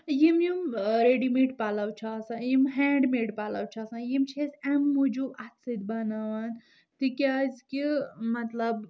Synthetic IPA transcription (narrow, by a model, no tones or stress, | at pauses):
jimjimɾeɖimiʈpalɐwt͡ʃʰaɐsãjimɦɛːɳɖmeʈpalɐ̰wt͡ʃʰɐsãjimt͡ʃʰesemːud͡ʒubʔɐt̪sid̪bɐnaʋɐn | t̪ikʲazkimɐt̪lɐb